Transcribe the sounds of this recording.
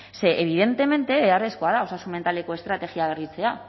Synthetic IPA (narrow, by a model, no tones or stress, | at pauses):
se̞ʔeβ̞iðe̞nt̪e̞me̞nt̪e̞βeare̞sko̞aðao̞sasume̞nt̪ale̞ko̞e̞st̪ɾat̪e̞ɣiaβe̞rit͡se̞a